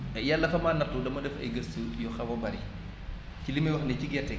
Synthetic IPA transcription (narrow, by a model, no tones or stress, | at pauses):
ɛjalːɐfɐmaːnːɐtːudɐmɐdɛfɐ̰jɡɐstəjɔxɐwɐbɐɾi | cilimɐjwɐxnɛciɡɛtɛ